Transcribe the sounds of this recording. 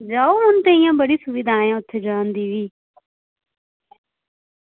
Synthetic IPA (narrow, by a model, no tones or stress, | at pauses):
d͡ʒaːoɦʊnt̪eijãːbəɽiːsʊʋɪd̪ʱãːjãːʊt̪ʰːed͡ʒaːnd̪iːʋiː